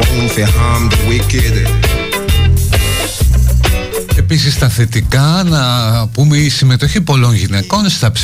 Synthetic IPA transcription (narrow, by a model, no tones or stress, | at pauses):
ũnθeɦãmd̪əwiked̪ | e̞pisist̪ɐθe̞t̪ikɐnɐpumeisime̞t̪o̞çipo̞lo̞nʝine̞ko̞nst̪ɐps